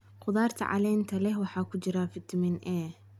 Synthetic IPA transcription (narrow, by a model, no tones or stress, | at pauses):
qʊðaːrt̪ʰɐ̰ʕɑ̰lɛːnt̪ʰɐlɛɦwɑħɑːkʰʊt͡ʃɪɾafɪt̪ʰmɪnʔɛː